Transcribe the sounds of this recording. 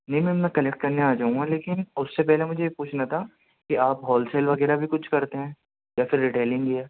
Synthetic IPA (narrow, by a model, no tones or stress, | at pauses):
nɐɦĩmɛ̃ɐpnakɐlɛk̚ʈ̚kɐɾneaːd͡ʒaːũŋɡaleːkɪnʊsːepɛɦlemʊd͡ʒʱepuːt͡ʃʰnat̪ʰa | kiaːpɦɔːlseːlʋɐɣɛːɾabʱikʊt͡ʃʰkɐɾt̪eɦɛ̃ː | jafɪɾːiʈeːlɪ̃ŋɡiɦɛː